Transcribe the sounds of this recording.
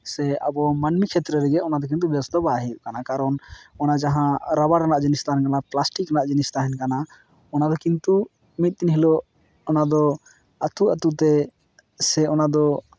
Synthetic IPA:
sɛabɔmanmikʰɛt̪ɾɛɾɛɡɛɔnad̪ɔkint̪ubɛsd̪ɔbaɦiɾkanakaɾɔnɔnad͡ʒaɦãɾabaɾanaʔd͡ʒɛnist̪aɦɛnkanaplasʈikɾanaʔd͡ʒɛnist̪aɦɛnkana | ɔnad̪ɔkint̪u | mit̪̚t̪inɦilɔ | ɔnad̪ɔ | at̪uat̪ut̪ɛ | sɛɔnad̪ɔ

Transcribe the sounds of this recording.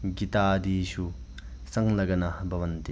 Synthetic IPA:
ɡit̪ad̪isu | sɐŋlɐɡɐnabɐʋɐnt̪i

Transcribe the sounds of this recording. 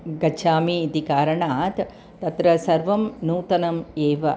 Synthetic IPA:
ɡɐt͡ʃʰaːmiːt̪ikaːɾɐɳaːt̪ | t̪ɐt̪ɾɐsɐɾʋɐmnuːt̪ɐnɐmeːʋɐ

